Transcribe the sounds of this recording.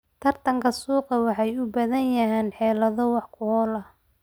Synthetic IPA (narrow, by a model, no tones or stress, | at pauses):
t̪ʰɐrt̪ʰɐŋkʰɐsuːqɑwɑħɑjʊbɐðɐnjɐɦɛːnħɛːlɐðɔwɑħkʰʊhɔlɐ